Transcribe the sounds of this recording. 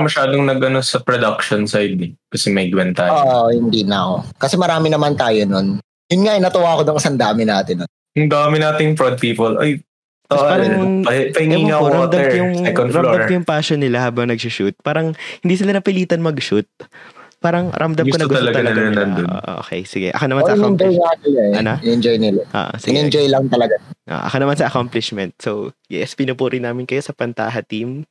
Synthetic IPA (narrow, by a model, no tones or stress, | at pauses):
mɐʃaːd̪oŋnɐɡʔɐnosɐpɹod̪ɐk̚ʃonsajd̪ɛkɐsɛmɐɡwɛnt̪aːjoʔhɪnd̪inɐʔokɐsɛmɐɾaːmɪnɐmant̪aːjonon | jʊnŋaʔɪnɐt̪ɐwaːkod̪oŋɪsɐnd̪aːmɪnaːt̪ɪnon | jʊŋd̪aːmɪnaːt̪ɪnjʊŋfɹod̪̚piːpolʔoj | t̪oʔpalɐŋpɐpɐhɪŋɛiːŋɐowɾɐd̪ɐɛmkjʊŋsɛkonɾɐmlod̪ɐkɐjʊŋpaːʃonːɪlahaːbɐŋnɐɡ̚sʊʃut̪̚paːɾɐŋhɪnd̪iːsɪlanɐpɪliːt̪ɐnmɐɡʃut̪̚paːɾɐŋɾʔɐmd̪ɐɡkonɐɡt̪ɐlɐɡtɐɐlɐanɐnd̪onʔ̪ʔo̰kḛjsɪɡɛ̰ʔɐ̰konɐmansɐʔkand͡ʒojŋaɐjaɐnoɪnɛnd͡ʒojnɪlaʔo̰ːʔo̰sɪɡɪɡnɛnd͡ʒojlɐŋt̪ɐlɐɡaʔo̰ːʔɐ̰konɐmansɐʔɐkamplɪʃmɛnt̪̚sowjɛ̰spɪnʊpuːɾʔɪnːaːmɪnkɐjo̞sɐpɐnt̪a̰ːɦɐt̪im